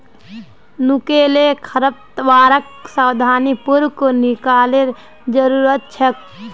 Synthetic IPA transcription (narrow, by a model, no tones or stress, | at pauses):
nukelekʰəɾəp̚t̪ʋaːɾək̚sawd̪ʱaːnipuɾwkonikaːleɾ | d͡ʒəɾuːɾət̪̚t͡ʃʰək̚